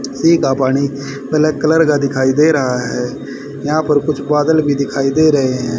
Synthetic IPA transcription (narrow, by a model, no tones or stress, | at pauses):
siːkaːpaːɽ̃iː | bəlɛːkələɾɡaːd̪ɪkʰaːiːd̪eːɾəɦaːɦɛː | jãːpəɾkʊt͡ʃʰbaːd̪əlbʱiːd̪ɪkʰaːiːd̪eːɾəɦeːɦɛ̃ː